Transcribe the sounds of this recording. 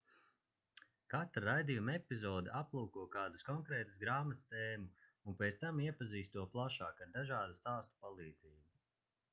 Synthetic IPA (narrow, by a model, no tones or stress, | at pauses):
kat̪ɾaɾajd̪ijumɛpizɔːd̪ɛʔaplˠuːkuɔkaːd̪uskɔŋkɾɛːt̪ɨsɡɾaːmat̪st̪eːmuːnpʲet̪t̪amiɛpaziːst̪uɔplˠaʃaːkad̪aʒaːd̪ast̪aːst̪u̥palˠiːd̪ziːubu